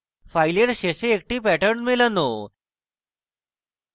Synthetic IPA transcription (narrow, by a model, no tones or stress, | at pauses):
fajleɾɕeɕeːk̚ʈiːpæʈəɾɳmeləno